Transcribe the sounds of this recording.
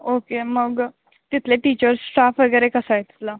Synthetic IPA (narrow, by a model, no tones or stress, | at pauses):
okeməɡ | t̪it̪ʰleʈiːt͡ɕəɾssʈafʋəɡəjɾekəsajt̪i̥t̪ʰla